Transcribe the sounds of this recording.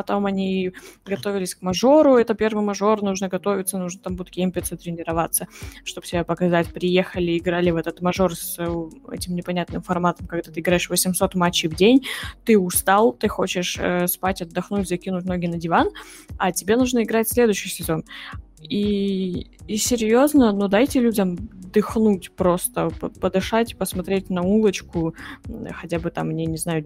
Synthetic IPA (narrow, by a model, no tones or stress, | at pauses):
pɐt̪o̞mɐnʲiɡɐt̪o̞vʲɪlʲɪsʲkmɐʐo̞ɾʊɛt̪əpʲe̞rvɨjmɐʐo̞rnuʐnəɡɐt̪o̞vʲɪt̪sənuʐnət̪ambut̪kʲemʲpʲɪt̪sət̪ɾʲɪnʲɪɾɐvat̪sːəʂt̪o̞b̥tʲɪbʲapəkɐzatʲpɾʲɪje̞xəlʲɪɪɡɾalʲɪvɛt̪ət̪mɐʐo̞rsɛ̰tʲɪmnʲɪpɐnʲat̪nɨmfɐrmat̪əmkɐɡd̪at̪ɨɪɡɾaɪʂvəsʲɪmso̞t̪mat͡ɕːɪjvdʲenʲt̪ɨʊst̪alˠt̪ɨxot͡ɕɪʂə̰spatʲɐd̪ːɐxnutʲzɐkʲinʊt̚ʲno̞ɡʲɪnədʲɪvan | ɐtʲɪbʲe̞nuʐnəɪɡɾatʲsʲlʲe̞d̪ʊɕːɪjsʲɪzo̞n | iː | sʲɪɾʲjo̞znənud̪ajtʲɪlʲudʲəmd̪ɨxnutʲpɾo̞st̪əpəpəd̪ɨʂatʲpəsmɐt̪ɾʲetʲnɐulˠət͡ɕkʊ | xɐtʲabɨt̪amnʲenʲɪznajʊ